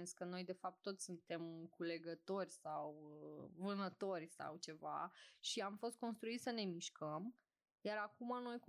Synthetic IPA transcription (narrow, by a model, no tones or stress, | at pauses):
skəno̞jd̪e̞fap̚t̪ːo̞t̪sʲsunt̪e̞mkule̞ɡət̪o̞rʲsawvɨnət̪o̞rʲsa̰wt͡ʃe̞va̰ʃiamfo̞st̪̚ko̞nst̪ɾuit̪səne̞miʃkəm | jaɾakumano̞jku